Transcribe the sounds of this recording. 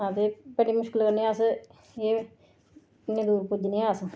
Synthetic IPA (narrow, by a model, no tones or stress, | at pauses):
ãːt̪epəɽiːmʊʃkɪlkəɾnias | e | ned̪uːɾpʊd̪iniaːs